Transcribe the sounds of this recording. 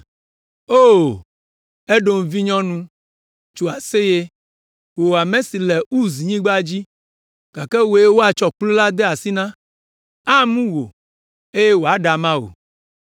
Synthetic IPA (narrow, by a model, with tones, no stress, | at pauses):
o˦˨ | e˦ɖo˨ŋ̩˨vi˦ɲɔ̃˦nũ˦ | t͡ʃo˨a˨se˦je˦ | wo˨a˨mẽ˦si˨lɛ˨u˦zi˨ɲĩ˦ɡ͡ba˦d͡ʑi˦ | ka˨kɛ˦wo˨˦je˦wo˦a˨t͡ʃɔ˨k͡plo˦la˦d̪e˦a˨si˦nã˦ | a˦mũ˦wo̰˨ | e˦je˦wo˨a˨ɖa˨mã˦o̰˨